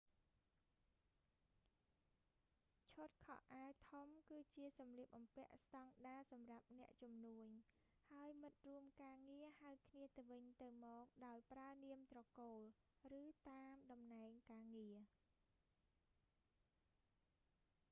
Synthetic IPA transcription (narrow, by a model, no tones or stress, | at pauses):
t͡ɕʰot̪̚kʰɑ̰hʔaət̪ʰomkɨːt͡ɕiəsɑmliəp̚ʔɑmpɛ̆əʔst̪ɑŋɗaːsɑmrap̚nɛ̆əʔt͡ɕumnuəɲ | haəjmɨt̪̚ruəmkaːŋiəhaəwkʰniət̪ɨwʋɨɲt̪ɨwmɔːk̚ɗaɔjpraəniəmt̪rɑkoːl | rɨːt̪aːmɗɑmnaɛŋkaːŋiə